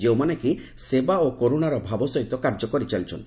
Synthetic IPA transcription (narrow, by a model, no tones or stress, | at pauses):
d͡ʒewmaneki | sebaokoɾunaɾɔbʱabɔsoit̪ɔkaɾd͡ʒɔkoɾit͡ʃalt͡ʃʰon